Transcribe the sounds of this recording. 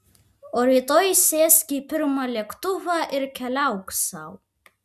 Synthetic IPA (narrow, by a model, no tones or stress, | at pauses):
oɾit̪ʼojsesɡʲipʰɨrmalekʰtʼuvaʔirkʲʰalawkʼsa̰w